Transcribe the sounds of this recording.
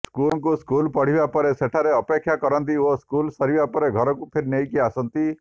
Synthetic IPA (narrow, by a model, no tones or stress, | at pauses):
skulɔŋkuskulpɔɽ̤ibapɔɾeseʈʰaɾeɔpekʰːjakɔɾɔnt̪ioskulsɔɾibapɔɾeɡʱɔɾɔkupʰeɾinejkiasɔnt̪i